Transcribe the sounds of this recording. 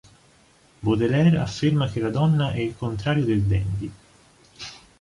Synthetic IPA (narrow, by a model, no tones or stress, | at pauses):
bod̪elɛɾa̰fːermak̟elːad̪ɔnːaʔɛilkont̪ɾaːɾjod̪eld̪ɛnd̪i